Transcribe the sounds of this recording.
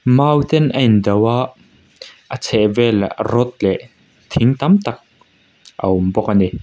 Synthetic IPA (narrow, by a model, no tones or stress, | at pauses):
maːwt̪ɛnʔɐjnd̪ɐwaʔ | ʔət͡sʰɛʔvɛlaʔrɔt̪̚lɛʔ | t̪ʰɪŋt̪ɐmt̪ɐk̚ | ʔɐ̰ʊmbɔk̚ani